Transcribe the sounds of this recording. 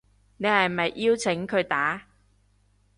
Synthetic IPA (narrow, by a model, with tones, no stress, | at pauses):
ne˨jhɐ˨jmɐ˨jʔiː˥wt͡sʰɪ˨˥ŋkʰɵ˨˧ɥt̪aː˨˥